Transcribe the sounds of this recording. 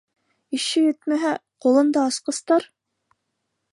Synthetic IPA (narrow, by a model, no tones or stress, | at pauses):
iʃɘjɘt̪mæɦæqulˠɤ̆nd̪ɑɑsqɤ̆st̪ɑɾ